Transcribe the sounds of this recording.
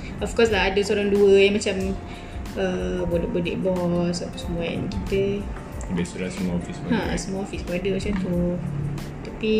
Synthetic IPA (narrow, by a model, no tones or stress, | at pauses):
ɔfkɔslaɦadəsoɾaŋduəjamat͡ʃam | əbolɔʔbədḭʔbɔsaʔt̪u̥səmuaɛ̰nkit̪ə | biasəlasəmuaɔfishãsəmuaɔfisboadəat͡ʃant̪u | t̪api